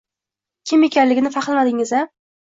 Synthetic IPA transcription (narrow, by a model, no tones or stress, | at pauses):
kʲʰɪme̞kʲʰanlɪɡʲɪnɪfaqlˠmad̪ɪŋɪza